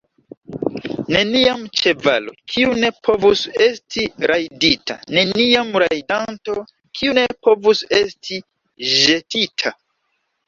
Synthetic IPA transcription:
ne̞niamt͡ʃe̞va̰lo̰kʰiune̞pʰo̞vuse̞stʰiɾʔajdita̰ne̞niamɾajdanto̞ | kʰiune̞po̞vuse̞stʰi | ʒe̞titʰa

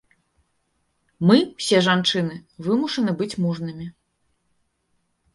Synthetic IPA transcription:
mɨwsʲɛʐant͡ʂɨnɨvɨmuʂɐnɨbɨt͡sʲmuʐnɨmʲi

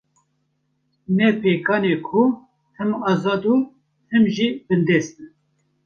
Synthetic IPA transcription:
nɛpʰeːkʰɑːnekʰu | t̪ʰɨmɑːzɑːd̪u | t̪ʰɨmʒibɨnd̪ɛːst̪ɨn

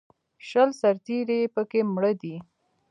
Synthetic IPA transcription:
ʃəlsaɾt̪iɾepəkemɽəd̪i

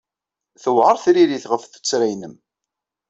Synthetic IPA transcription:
θəwʁəɾˤθɾiɾiθʁəfθə̥t͡sːɾæjnəm

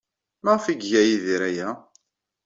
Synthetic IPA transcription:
mæʁfiɡʝæjiðiɾæjæ

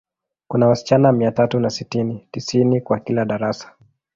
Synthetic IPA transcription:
kunawasi̥t͡ʃanaamiatatunasitinitisinikwakilaɗaɾasḁ

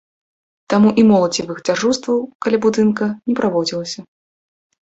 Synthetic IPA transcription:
t̪amuʔimɔlˠɐt͡sʲivɨxd͡zʲarʐust̪vɐwkalʲabud̪ɨnkɐnʲɛpɾʔavɔd͡zʲilˠɐsʲɐ

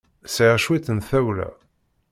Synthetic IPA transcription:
sʕʃwiθənθæwlæ̰

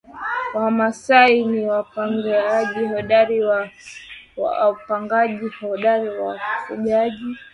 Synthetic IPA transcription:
wamasainiwapaŋɡaʄiɦɔɗaɾiwa | wa̰upaŋɡaʄihɔɗaɾiwafuʄaʄi

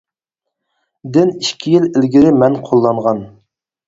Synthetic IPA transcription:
d̪ɪniʃkʲʰijilɪlɡʲiɾɪmɛnqʰolˠːɑɴʁɑn

